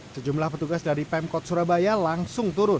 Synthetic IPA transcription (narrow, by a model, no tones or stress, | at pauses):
səd͡ʒumlahpət̪uɡasdaɾipɛmkɔt̪̚suɾabajalaŋsʊŋt̪uɾʊ